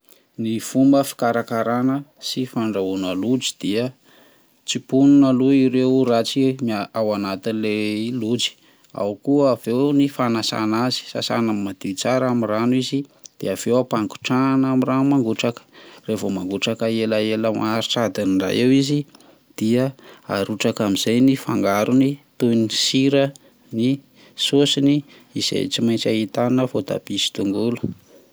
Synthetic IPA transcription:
nifumbəfi̥kaɾakaɾanəsifaɳɖ͡ʐaunəlud͡zi̥d̪̥iə | t͡sipununəluiɾewɾat͡simaawanat̪inlelud͡zi̥ | a̰wukuːvewnifanasa̰nazi̥sa̰sa̰nammːad̪̥it͡saɾamiranwizid̪̥eav̥ewapaŋɡu̥ʈ͡ʂanamiranumaŋɡuʈ͡ʂakə̥revomaŋɡuʈ͡ʂakəelaeləmaɾiʈ͡ʂad̪iniɳɖ͡ʐa̰jewizi | d̪̥iəaɾuʈ͡ʂakamiz̥ajnifaŋɡaɾunit̪ujnisiɾə | ni | sosiniː | z̥ḛjt͡simajnt͡saɦit̪annəfot̪a̰bisi̥t̪uŋɡulə̥

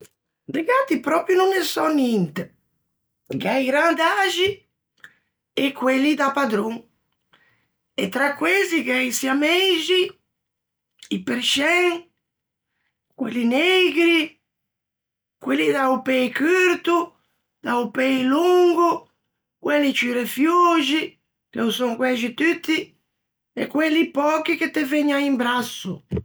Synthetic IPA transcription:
diɡat̪ipɾɔpɾjununɛsɔnint̪e | ɡajɡɾand̪aʒi | ɛkːwelːid̪apad̪ɾoŋ | ɛt̪ːɾakːwezikɛisiameʒi | ipeɾʃɛŋ | kwelːineɡɾi | kwelːid̪aupɛjkyɾt̪u | d̪̥aupɛjluŋɡu | kwɛlːit͡ʃiɾefjuːd͡ʒi | keusɔŋkwɛʒit̪yt̪ːi | ɛkːwelːipɔːkiket̪ːeveɲːaimbɾasːu

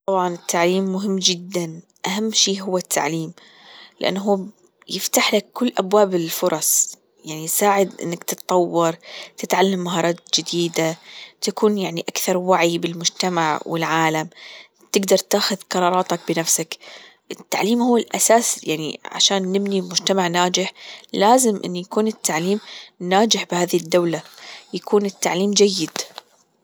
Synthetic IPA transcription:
t̪ˤɑbʕɑnɪt̪ːaʕliːmːʊɦɪmːd͡ʒɪd̪ːan | ʔaɦamːʃiːɦʊwːat̪ʰːa̰ʕliːm | lɪʔa̰nːɦuː | jɪft̪aħlakːʊlːʔabwaːbɪlfʊɾˤɑsˤ | jaʕnisaːʕɪd̪ʔɪ̰nːakt̪ɨt̪t̪ˤːɑwːɑɾˤt̪ɪt̪ʕalːamːaɦɑːɾˤɑːt̪̚d͡ʒɪd̪iːd̪at̪akuːnjaʕniʔakθɑɾˤwaʕibɪlmʊd͡ʒt̪amaʕwɪlʕaːlam | t̪ɪɡd̪ɑɾˤt̪aːxʊðqɑɾˤɑːɾˤɑːt̪ak̚bɪnafsak | ʔɪt̪ːaʕliːmhuːɪlʔasaːsja̰ʕnḭʕa̰ʃaːnːɪbnilmʊd͡ʒt̪amaʕnaːd͡ʒɪħlaːzɪmʔɪ̰nːujakuːnɪt̪ʰːaʕliːmnaːd͡ʒɪħbɪhaːðd̪ːawlajakuːnɪt̪ːaʕliːmd͡ʒajːɪd̪̥

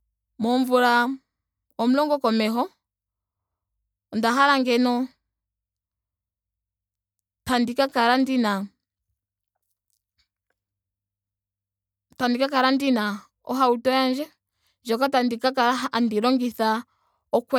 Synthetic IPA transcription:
mɔɱvuɾa | ɔm̩lɔŋɡɔkɔmɛɦɔ | ndaɦaɾaŋɡɛnɔ | tandikakaɾandina | tandikakaɾandina | ɔ̰ɦautɔjand͡ʒɛ | d͡ʒɔkatandikakaɾaɦaandiɾɔŋɡiθa | ɔkwɛ

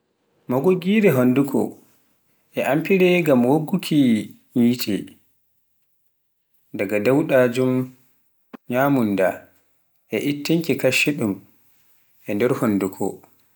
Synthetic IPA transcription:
mɔɡoɡiːɾɛɦondukʰɔ̰ | ʔɛʔampiɾɛɡamwoɡːukʰi | ɲitʰɛ̰ | daɡadawɗad͡ʒum | ɲaːmunda | ʔɛʔitːiŋkikaʃːɛɗum | ʔɛndɛɾhondukʰɔ̰

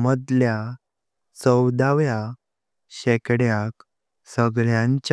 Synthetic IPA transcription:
məd̪lja | t͡səwd̪aʋja | ɕekɽjak | səɡɭjãɲt͡ɕ

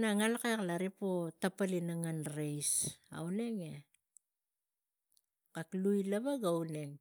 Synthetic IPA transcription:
naŋalkaklaɾipo̞tapalinaŋanɾejsa̰wne̞ŋe | kaklujlaβaɡawne̞ŋ

